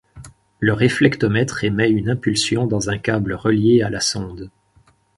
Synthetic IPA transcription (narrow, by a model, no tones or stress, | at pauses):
ləʁeflɛkt̪ɔmɛt̪χemɛynɛ̃pylsjɔ̃d̪ɑ̃zɛ̃kʲabləʁəljealasɔ̃d̪